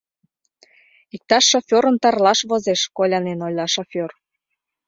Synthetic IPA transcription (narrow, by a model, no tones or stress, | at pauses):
ik̚t̪ɑʃːofʲoɾə̆nt̪ɑrlɑʃβozeʃkolʲɑnenojʲlɑʃofʲor